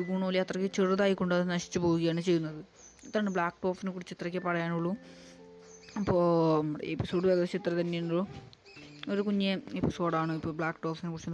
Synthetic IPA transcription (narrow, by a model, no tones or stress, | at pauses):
uɡuːɳɐmːʋɐliɐt̪rɐkʲːɨt͡ɕeruðaːjikːoɳɖɨɐðɨnɐɕi̥t͡ɕːuɨpo̞ːɣuɣɐjaːɳɨt͡ɕe̞jːunːɐðɨ | it̪ːɾaːɳɨbɭaːkʈoːfinɨkuɽit͡ɕːit̪rɐkʲːɨpɐrɐjaːnuɭːu | ɐpːoːɐmɽḛepːiso̞ːɖɨʋeɡɐðɐɕit̪rɐt̪ɐnːejuɳɖɭo | o̞ɾukuɲːeepːiso̞ːɖaːɳoipːoːbɭaːkʈoːfinkuɽit͡ɕːun